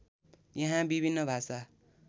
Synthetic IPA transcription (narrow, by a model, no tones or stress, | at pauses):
jaɦãbibʱinːʌbʱasa